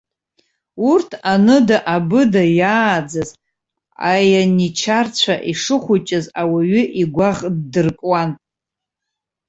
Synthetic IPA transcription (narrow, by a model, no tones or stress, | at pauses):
urtʰanɨdaʔabɨdajaːd͡zaz | a̰janit͡ʃʰart͡ɕʷʰaʔiʂɨχʷʊt͡ʃʼɪzawaɥʏʔiɡʷaʁdɨrkʼwan